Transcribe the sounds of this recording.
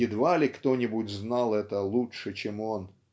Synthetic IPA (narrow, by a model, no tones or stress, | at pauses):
ɪd̪valʲɪkt̪onʲɪbʊtʲznɑlˠɛt̪əlˠutʂɨt͡ɕemo̞n